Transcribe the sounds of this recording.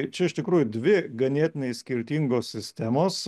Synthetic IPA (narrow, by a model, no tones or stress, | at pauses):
t͡ʃʲɛɪʃt̪ʲɪkɾuːjʊd̪ʲʋʲɪɡɐnʲiɛt̪ʲɪnʲɛɪssʲkʲɪɾʲt̪ʲiːŋɡoːsʲsʲɪsʲt̪ʲæmoːs